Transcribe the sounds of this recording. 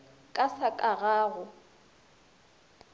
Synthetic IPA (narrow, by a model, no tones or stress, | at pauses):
kʼasakʼaɣaːɣʊ